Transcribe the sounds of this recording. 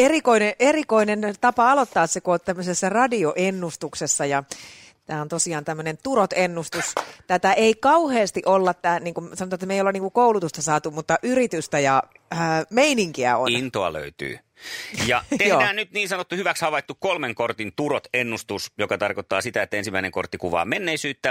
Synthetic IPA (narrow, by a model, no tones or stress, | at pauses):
erikoineʔerikoinent̪ɑpɑɑlot̪ːɑːssekuott̪æmːøsesːærɑdioʔenːust̪uksesːɑjɑ | t̪æːont̪osiɑːnt̪æmːønent̪urot̪enːust̪ust̪æt̪æʔeikɑuheːst̪iʔolːɑt̪t̪æːniːŋkumsɑnot̪ɑet̪ːæmeijoleniːŋkukoulut̪ust̪ɑsɑːt̪umut̪ːɑʔyrit̪yst̪æjɑ | əmeiniŋkiæ̰oinnt̪oɑ̰lø̰yt̪y̰ː | jɑt̪ejoːnæːnyt̪niːnsɑnot̪ːuhyʋækshɑʋɑit̪ːukkolmeŋkort̪int̪uɾot̪enːust̪usjokɑt̪ɑrkot̪ːɑ̰ːsit̪æet̪ːæensimːæineŋko̰rt̪ːikuʋɑ̰ːmenːeisyːt̪ːæ